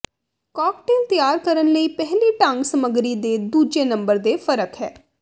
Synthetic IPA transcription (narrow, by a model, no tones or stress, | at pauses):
kɔːk̚ʈeːlt̪ɪjaːɾkəɾənləiːpɛɦliːʈãŋɡsəməɡɾiːd̪eːd̪uːd͡ʒeːnə̃mbəɾd̪eːfʰəɾəkɦɛː